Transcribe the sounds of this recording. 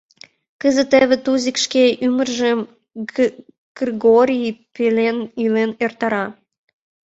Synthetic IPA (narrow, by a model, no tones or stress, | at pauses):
kəzə̆t̪eβĕt̪uzʲikʃkeʔymərʒəm | ɡ̥riɡoɾʲipelenilenert̪ɑɾɑ